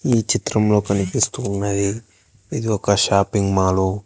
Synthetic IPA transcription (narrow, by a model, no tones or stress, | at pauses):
iːt͡ʃit̪ɾɐmlo̞ːkɐnipist̪uːnːɐji | id̪iɔkɐʃaːpiŋɡmaːlo